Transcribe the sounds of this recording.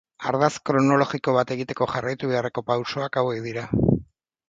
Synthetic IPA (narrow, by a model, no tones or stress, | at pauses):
a̰ɾðaskɾono̞lo̞ɣiko̞β̞at̪e̞ɣit̪e̞ko̞ʝarajt̪uβe̞are̞ko̞pawso̞akawɣekðiɾa